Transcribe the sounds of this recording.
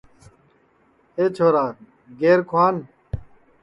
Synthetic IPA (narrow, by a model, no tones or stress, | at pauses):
eːt͡ɕʰoːɾaː | ɡeːɾkʰwaːn